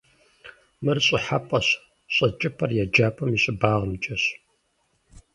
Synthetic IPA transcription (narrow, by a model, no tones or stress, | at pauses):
mɨrɕʼɪħapʼɐɕ | ɕʼɐt͡ʃʼɪpʰɐrjɛd͡ʒaːpʰʼɐmiɕʼɪbaːʁəmd͡ʒʼɐɕ